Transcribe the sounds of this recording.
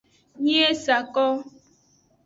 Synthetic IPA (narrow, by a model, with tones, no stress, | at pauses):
ɲi˦e˦sa˨kɔ˦